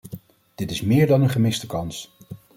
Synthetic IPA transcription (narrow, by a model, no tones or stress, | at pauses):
d̥ɪtɪsmɪːɹdɑnənχəmɪstəkɑns